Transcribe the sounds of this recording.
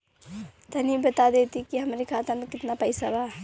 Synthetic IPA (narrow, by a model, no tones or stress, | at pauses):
t̪ənibət̪ad̪et̪ikiɦəmɾikʰaːt̪əmekɪt̪napəɪsaba